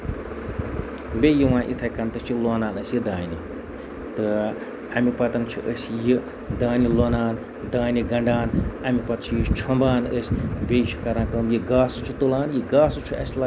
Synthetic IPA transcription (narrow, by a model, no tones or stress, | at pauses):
bʲejiwãːʔḭt̪ʰɐːjkɐnt̪ɨt͡ʃʰiloːnaːnɐsjid̪aːni | t̪ɨ | ɐmipɐt̪ɐnt͡ʃʰiʔəsʲji | d̪aːniloːnaːn | d̪aːniɡɐɳɖaːnɐmipɐt̪̚t͡ʃʰijit͡ʃʰɐmbaːnəsʲbʲejit͡ʃʰi̥kɐɾãːkɐːmjiɡaːsut͡ʃʰut̪ulaːnjiɡaːsut͡ʃʰuɐsʲla